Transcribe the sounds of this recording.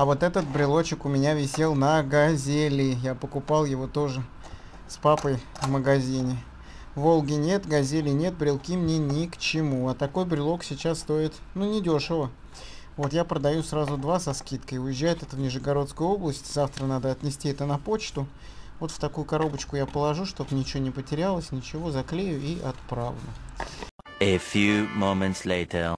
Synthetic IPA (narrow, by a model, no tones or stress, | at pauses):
ɐvo̞t̪ɛt̪ət̪̚bɾʲɪlˠo̞t͡ɕɪkʊmʲɪnʲavʲɪsʲe̞lˠnəɡɐzʲelʲɪjapəkʊpɑlˠjɪvo̞t̪o̞ʐɨ | spapəjvməɡɐzʲinʲɪ | vo̞lˠɡʲɪnʲe̞t̪ɡɐzʲelʲɪnʲe̞t̪̚bɾʲɪlˠkʲimnʲenʲɪkt͡ɕɪmuɐt̪ɐko̞jbɾʲɪlˠo̞ksʲɪt͡ɕasːt̪o̞ɪt̪nunʲɪdʲoʂəvə | vo̞t̪japɾəd̪ɐjusɾazʊd̪vasɐskʲit̪kəʊjɪʑʲːæjɪt̪ɛt̪əvnʲɪʐəɡɐɾo̞t̪skəjʊo̞blˠəsʲtʲzaft̪ɾənad̪əɐt̪nʲɪsʲtʲiɛt̪ənɐpo̞t͡ɕt̪ʊ | vo̞t̪ft̪ɐkujʊkɐɾo̞bət͡ɕkʊjapəlˠɐʐuʂt̪o̞pnʲɪt͡ɕnʲɪpətʲɪɾʲalˠəsʲnʲɪt͡ɕɪvo̞zɐklʲejʊʔiʔɐt̪̚pɾavnʊ | əfjʉmõʊ̃mə̃nt̪sleɪtʰə